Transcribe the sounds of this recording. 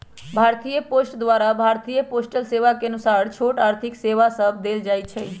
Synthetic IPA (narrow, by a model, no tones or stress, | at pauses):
bʱaːɾt̪ijəposʈd̪ʋaɾabʱaːɾt̪ijəposʈəlseʋakeənusaːɾt͡ʃʰoʈaːɾt̪ʰɪkseʋasəbd̪eːld͡ʒaːjt͡ʃʰɛ